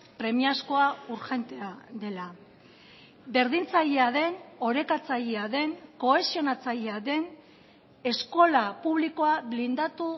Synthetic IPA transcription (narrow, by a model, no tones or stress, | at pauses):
pɾe̞miasko̞auɾxe̞nt̪e̞aðe̞la | be̞ɾðint͡saʎeaðe̞no̞ɾe̞kat͡saʎeaðe̞ŋko̞esio̞nat͡saʎeaðe̞n | e̞sko̞lapuβ̞liko̞aβlind̪at̪u